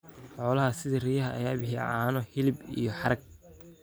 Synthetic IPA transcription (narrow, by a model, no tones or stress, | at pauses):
ħɔːlɐɦɐsɪðirijɐɦɐːjaːbɪħḭːʕaːnɔhɪlɪbḭjɔħɑɾɐɡ̚